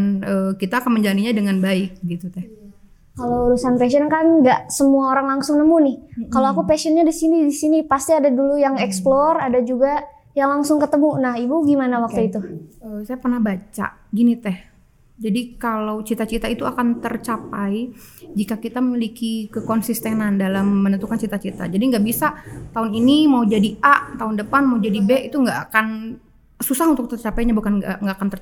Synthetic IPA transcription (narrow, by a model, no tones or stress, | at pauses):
nəːkit̪aːkanməɲd͡ʒaniɲadəŋanbaɪk̚ɡit̪ut̪ɛ | kaloɾusanpɛsənkanɡaʔsəmuaoɾaŋlaŋsʊŋnəmunɪhkaloakupasənɲadisinidisinipast̪iadadulujaŋɛksplɔradad͡ʒuɡa | jaŋlaŋsʊŋkət̪əmunahibuɡimanawak̚t̪uit̪uəsajapərnahbat͡ʃa̰ɡinit̪ɛh | d͡ʒadikalawt͡ʃit̪at͡ʃit̪ait̪uakant̪ərt͡ʃapajd͡ʒikakit̪amilikikəkɔnsist̪enandalamːənənt̪ukant͡ʃit̪at͡ʃit̪a̰d͡ʒadiŋɡaʔbisat̪aʊninimaud͡ʒadiʔaʔt̪aʊndəpanmaud͡ʒadibɛit̪uŋɡaʔakan | susahunt̪ʊk̚t̪ərt͡ʃapajɲabukanɡaŋɡaakant̪ər